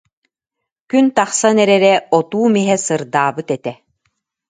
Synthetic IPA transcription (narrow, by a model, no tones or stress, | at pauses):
kynt̪aχsanɛɾɛɾɛɔt̪uːmiɦɛsɯɾd̪aːbɯt̪ɛt̪ɛ